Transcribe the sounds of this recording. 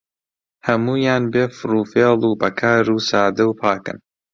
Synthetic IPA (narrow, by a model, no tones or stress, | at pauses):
hɐmuːjaːnbeːfɾuːfeːlˠuːbɐkʰaːɾuːsaːd̪ɐwpʰaːkɨ̰n